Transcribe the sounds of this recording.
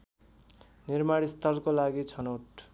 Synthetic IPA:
nirmaɽist̪ʌlkolaɡit͡sʰʌnoʈ

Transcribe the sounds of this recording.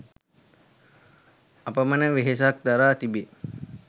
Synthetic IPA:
apəmənəʋeɦes̬ak̚d̪aɾaːt̪ibe

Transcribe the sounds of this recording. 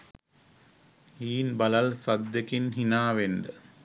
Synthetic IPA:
hiːnbɐlɐlsɐd̪ːjekinɦinaːʋenɖə

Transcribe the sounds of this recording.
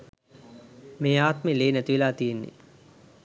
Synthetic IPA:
meːaːt̪meleːnæt̪iʋelaːt̪ijenːḛ

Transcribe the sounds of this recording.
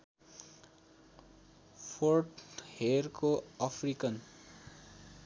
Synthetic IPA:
pʰorʈherkoʌpʰrikʌn

